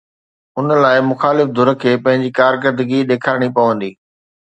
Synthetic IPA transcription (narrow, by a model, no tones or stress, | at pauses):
ʊnəlaːɪmʊxaːlɪfd̪ʊɾə̆kʰeːpɐ̃ɦɪ̃ɲd͡ʑiːkaːɾk̬əɾd̪əɡiɗeːkʰaːɽ̃ipɐʋə̃nd̪iː